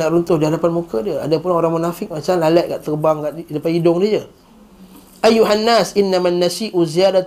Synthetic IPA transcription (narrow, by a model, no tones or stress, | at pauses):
aʔɾunt̪ʊhdiɦadapanmukədiəa̰dapʊnoɾaŋmunafɪk̚mat͡ʃamlalɛʔ̚kaʔt̪ərbaŋkaʔdapaidʊŋdid͡ʒə | ʔajːuɦanːasʔinːamanːasiʔuziada